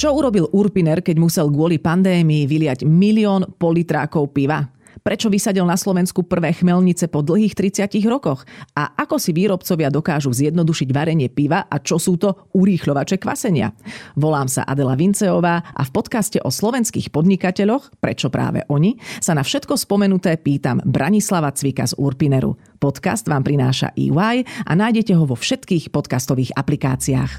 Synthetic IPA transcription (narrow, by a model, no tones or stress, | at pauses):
t͡ʃɔuɾɔbiluɾpinɛɾkɛɟmusɛlɡʊɔlipand̪ɛːmiiʋilɪaɟmiliɔːnpɔlit̪ɾa̰ːkɔʊpiʋa | pɾɛt͡ʃɔʋisaɟilnaslɔʋɛnskupr̩ʋɛːxmɛlɲit͡sɛpɔd̪l̩ˠɦiːxt̪ɾit͡sɪaciɣɾɔkɔxaʔakɔsiʋiːɾɔpt͡sɔʋɪad̪ɔkaːʒuzjɛd̪nɔd̪uʃiɟʋaɾɛɲɪɛpiʋaʔat͡ʃɔsuːt̪ɔ | uɾiːxʎɔʋat͡ʃɛkʋa̰sɛɲɪa̰ʋɔlaːmsa̰ʔa̰d̪ɛlaʋint͡sɛɔʋaːʔa̰fpɔt̪kascɛʔɔslɔʋɛnskḭːxpɔd̪ɲikacɛʎɔxpɾɛt͡ʃɔpɾa̰ːʋɛ̰ʔɔɲisanafʃɛt̪kɔspɔmɛnut̪ɛːpiːt̪ambɾʔaɲislaʋat͡sʋika̰zṵɾpinɛɾṵ | pɔt̪ka̰sd̪ʋaːmpɾinaːʃa̰ʔḭːwajʔa̰naːjɟɛcɛɦɔʋɔfʃɛt̪kiːxpɔt̪kast̪ɔʋiːɣaplika̰ːt͡siaːx